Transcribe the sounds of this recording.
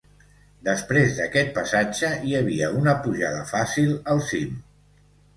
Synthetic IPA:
d̪əspɾezðəkɛt̪̚pəsad͡ʒəiəβiəunəpuʒaðəfasilˠəlˠsim

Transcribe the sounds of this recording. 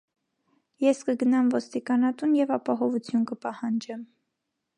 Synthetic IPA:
jɛskəɡənɑmvɔst̪ikɑnɑt̪unjɛvɑpɑɦɔvut͡sʰjunkəpɑhɑnd͡ʒɛm

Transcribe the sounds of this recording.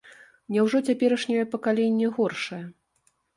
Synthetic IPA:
nʲɛwʐɔt͡sʲapʲɛɾɐʂnʲɛjɛpɐkalʲenʲːɛɣɔrʂɐjɐ

